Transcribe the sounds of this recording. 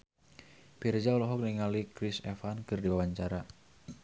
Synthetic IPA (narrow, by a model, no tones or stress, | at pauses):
pird͡ʒaulɔɦɔk̚niŋalikɾisɛfankɨrdiwawaɲt͡ʃaɾa